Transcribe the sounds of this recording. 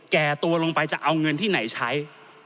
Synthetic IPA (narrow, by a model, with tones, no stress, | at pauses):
kɛː˨˩t̪u˧ɐlo˧ŋpa˧jt͡ɕa˨˩ʔa˧wŋɤ˧nt̪ʰiː˥˩na˩˦jt͡ɕʰa˦˥j